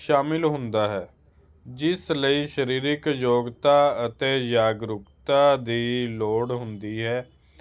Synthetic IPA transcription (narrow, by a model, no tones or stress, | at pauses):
ʃaːmɪlɦʊ̃nd̪aːɦɛː | d͡ʒɪsləiːʃəɾiːɾɪkjoːɡt̪aːət̪eːd͡ʒaːɡɾʊkt̪aːd̪iːloːɽɦʊnd̪iːɦɛː